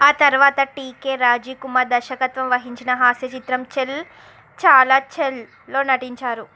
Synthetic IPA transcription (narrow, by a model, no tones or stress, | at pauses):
aːt̪ɐɾʋaːt̪ɐʈiːke̞ːɾaːd͡ʒiːkumɐɾd̪ɐɾʃɐkɐt̪ʋɐmʋɐɦiɲt͡ʃinɐɦaːsjɐt͡ʃit̪ɾɐmt͡ʃel | t͡ʃaːlaːt͡ʃelː | o̞ːnɐʈiɲt͡ʃaːɾu